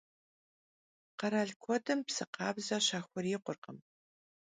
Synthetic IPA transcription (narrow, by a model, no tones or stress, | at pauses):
qɐɾaːɮkʷʰɔdɨmpsɨqɑːbzɐɕaːxʷɔrɪːqʷʊrqəm